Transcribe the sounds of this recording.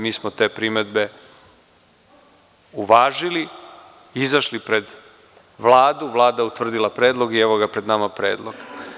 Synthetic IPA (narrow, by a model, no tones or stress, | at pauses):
miːsmot̪e̞ːpɾime̞d̪be̞ | uʋaːʒili | izaʃlipɾe̞d̪ | ʋlˠaːd̪uʋlˠaːd̪aut̪vr̩d̪ilˠapɾeːd̪lˠo̞ɡieʋoɡapɾe̞d̪namapɾḛːd̪lˠoɡ̥